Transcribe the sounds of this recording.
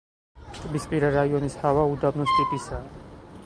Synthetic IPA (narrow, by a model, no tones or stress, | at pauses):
t̪ʼbispʼiɾaɾaiɔnishavaud̪abnɔst̪ʼip̪ʼisa